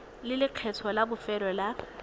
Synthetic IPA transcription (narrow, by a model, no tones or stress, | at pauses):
lɪlɪq͡χʰɛt͡sʰɔlabʊfɛɾɔla